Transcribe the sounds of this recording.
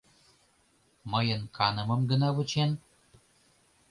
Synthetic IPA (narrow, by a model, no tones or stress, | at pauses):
məjənkʰɑnə̆mə̆mɡə̆nɑβɨt͡ʃen